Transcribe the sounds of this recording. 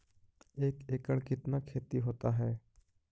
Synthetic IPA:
eːkeːkəɽkɪt̪nakʰeːt̪iɦoːt̪aɦɛː

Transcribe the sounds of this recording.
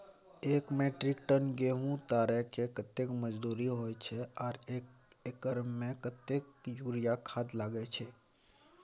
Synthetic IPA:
eːkmeːʈɾɪkʈənɡeɦũt̪aːɾɛkekət̪ːekməd͡ʒd̪uːɾiɦoːjt͡ʃʰeɔːɾeːk | ekəɾmmẽkət̪ekjuːɾijakʰaːd̪laːɡet͡ʃʰe

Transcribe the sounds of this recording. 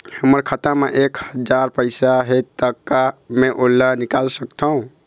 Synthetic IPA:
həməɾkʰat̪ameʔekhəd͡ʒaɾpəɪsaɦet̪ːəkːameʔolːənikalsəkt̪ʰəũ

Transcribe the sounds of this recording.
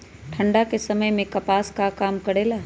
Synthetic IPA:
ʈʰə̃ɳɖakesɐməjmẽkɐpaːskakaːmkɐɽelaː

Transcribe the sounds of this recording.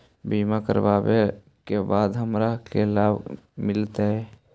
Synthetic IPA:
biːmakə̰ɾbaːbe | kebaːd̪ɦəmɾakelaːbmɪlt̪eɦɛ

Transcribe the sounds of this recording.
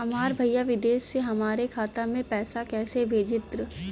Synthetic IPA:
ɐmaːɾbʱɐjjaʋɪd̪eːʃːeɦɐmaːɾekʰaːt̪amẽpɛːsakɛːsebʱeːd͡ʒɪt̪ɾ

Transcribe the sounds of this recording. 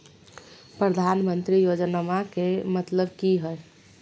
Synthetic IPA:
pɾəd̪ʱanmənt̪ɾijod͡ʒnamakemət̪ləbkiɦəj

